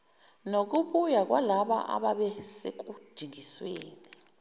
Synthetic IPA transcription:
nok̬uɓujak̬walaɓa̰ʔa̰ɓaɓɛsek̬ud̥ʱiŋisweːni

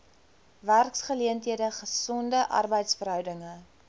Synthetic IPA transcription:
værksχəliəntɦiədəχəsɔndəʔɐ̰rbəjtsfəɾœwdəŋə

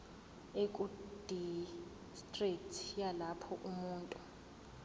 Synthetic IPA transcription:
ekʼud̥ʱi | stʼritʰjalapʰɔʔumuːntʼu

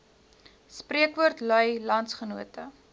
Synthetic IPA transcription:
spriəkʋuərtlœjlɐntsχənuətə

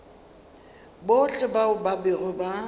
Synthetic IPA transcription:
boʊɬɪbaʊbabɪʔʊba

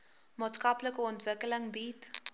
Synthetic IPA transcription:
mɑːtskɐpləkəɔntvəkələŋbit

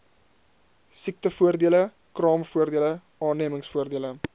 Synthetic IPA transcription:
sik̚təfuərdiələ | krɑːmfuərdiələ | ɑːniəməŋsfuərdiələ

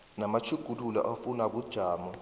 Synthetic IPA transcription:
namat͡ʃʰuɡ̥ʱululɔ̰ʔafunak̬ud̥ʒ̥ʱaːmɔ

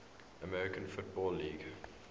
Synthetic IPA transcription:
əmɛɹɪkə̃nfʊt̚bɔlːiːɡ

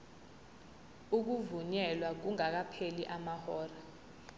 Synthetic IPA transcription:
uk̬uvuɲɛlwak̬uŋak̬apʰeliʔamahɔːra

